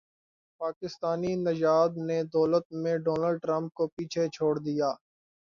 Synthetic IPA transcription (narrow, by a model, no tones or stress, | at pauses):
paːkɪst̪aːninɐd͡ʒaːd̪ned̪ɔːlət̪̚mẽɖɔːnəlɖ̚ʈɾə̃mp̚kopiːt͡ʃʰet͡ʃʰoːɽd̪ijaː